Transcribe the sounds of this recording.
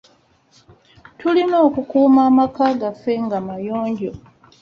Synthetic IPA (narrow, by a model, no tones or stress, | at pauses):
tʰulino̞ːkukuːmaːmakaːɡafe̞ŋɡamajoːɲɟo̞